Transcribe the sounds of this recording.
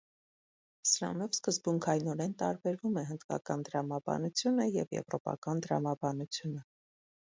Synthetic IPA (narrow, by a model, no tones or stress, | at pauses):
səɾɑ̰nɔvskəzbuŋkʰɑjinɔɾɛnt̪ɑɾbɛɾvumɛɦənd̪kɑ̰kɑnt̪əɾɑmɑbɑ̰nut͡sʰjunəjɛ̰vjɛ̰vɾɔpɑ̰kɑnt̪əɾɑ̰mɑbɑnut͡sʰjunə